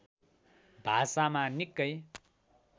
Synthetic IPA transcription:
bʱasamanikːʌj

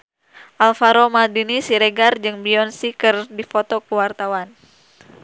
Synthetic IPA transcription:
ʔalfaɾomadinisiɾeɡard͡ʒɨŋbiɔnsikərdifot̪ɔkəwart̪awan

